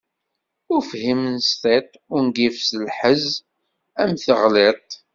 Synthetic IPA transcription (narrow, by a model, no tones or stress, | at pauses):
ʊɾfhimnst̪et̪ˤʊnɡifsəlħəz | æmθəʁlɪt̪ˤ